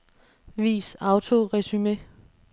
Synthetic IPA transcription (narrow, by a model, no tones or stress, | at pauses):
ʋḭːsɑ̈ʊt͡sʰo̝ʁɛsyme